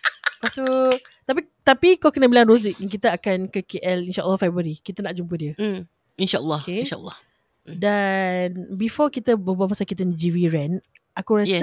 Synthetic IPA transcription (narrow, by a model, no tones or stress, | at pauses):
past̪u | t̪ap̬i | t̪apikalkənabilaŋɾozik̚jaŋk̬it̪əakankəkeʔɛlinʃaʔə̰lːɔhfabəɾikit̪ənaʔd͡ʒumpədiə | inʃaəlːɑkeʃa̰lːɑh | danbifɔkit̪əbəbuapasakit̪ənd͡ʒiviɹɛ̃n | akuɾa